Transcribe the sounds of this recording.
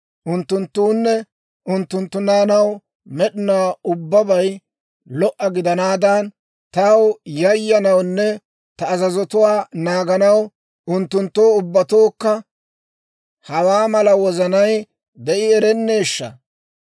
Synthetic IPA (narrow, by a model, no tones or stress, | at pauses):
ʔʊnt̪ːʊnt̪ːuːnːɛ | ʔʊnt̪ːʊnt̪ːʊnaːnɐw | mɛɗɪnaʊbːɐbɐj | lɔʔɐɡɪd̪ɐnaːd̪ɐn | t̪ɐwjɐjːɐnɐwnːɛ | t̪ɐːzɐzɔt̪ʊwaːnaːɡɐnɐw | ʊnt̪ːʊnt̪ːoːʊbːɐt̪oːkːɐ | hɐwaːmɐlɐwɔzɐnɐj | d̪ɛʔɪɛɾɛnːeːʃːɐ̰